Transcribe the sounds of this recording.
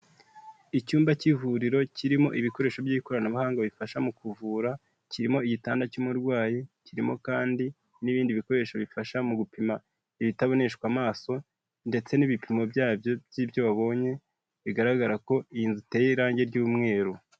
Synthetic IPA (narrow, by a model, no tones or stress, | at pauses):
icuːmbacivuɾiɾo̞ciɾimo̞ʔiβiko̞ɾe̞ːʃo̞bjiːikoɾanaβahaːŋɡaβifaʃamukuvuːɾa | ciɾimo̞iɟitaːndacumuɾɡwaːjiciɾimo̞̰kaːndi | niβiːndiβiko̞ɾe̞ːʃoβifaʃamuɡupima | iβitaβo̞ne̞ʃkwamaːso̞ | nde̞t͡se̞niβipʰimo̞bjaːbjo̞bjibjo̞βaβo̞ːɲe̞ | βiɡaɾaɡaɾako̞iinzutejeɾaːɲɟe̞ɾɟuːmŋe̞ːɾu